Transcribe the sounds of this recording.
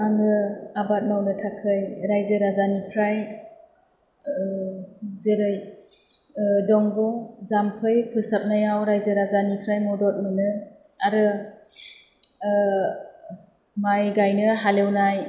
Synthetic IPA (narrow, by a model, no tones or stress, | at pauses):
aŋɯabat̚nawnɯtʰakʰɯjɾajzɯɾazanipʰɾaj | zeɾɯj | dɔŋbɔzampʰɯjpʰɯsap̚najawɾajzɯɾazanipʰɾajmɔdɔt̚mɯnɯ | aɾɯ | majɡajnɯɦalewnaj